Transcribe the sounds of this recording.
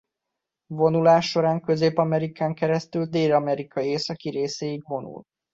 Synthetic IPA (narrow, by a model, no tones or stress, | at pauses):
vo̞nulaːʃːo̞ɾaːŋkø̞zeːpɒmɛɾikaːŋkɛɾɛst̪yld̪eːlɒmɛɾikʰɒeːsɒkiɾeːseiɡvo̞nṵl